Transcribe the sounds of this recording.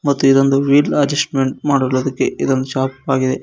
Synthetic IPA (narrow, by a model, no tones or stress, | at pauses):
mɐt̪ːuid̪ond̪uʋiːlɐd͡ʒɐsʈme̞ɳʈ̚maːɽuɡɭud̪ɐkːe̞id̪ond̪uʃaːpaːɡid̪e̞